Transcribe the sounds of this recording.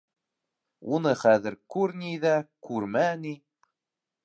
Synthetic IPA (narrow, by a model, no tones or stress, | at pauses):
unɤχæðɘ̆ɾkʉɾnʲijðækʉɾmæni